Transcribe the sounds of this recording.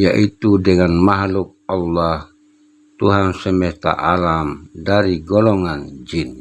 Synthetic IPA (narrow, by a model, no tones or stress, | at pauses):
jaʔit̪udɛŋanmaɦluk̚alːah | t̪uɦansɛmɛst̪a̰ʔalamdaɾiɡɔlɔŋand͡ʒin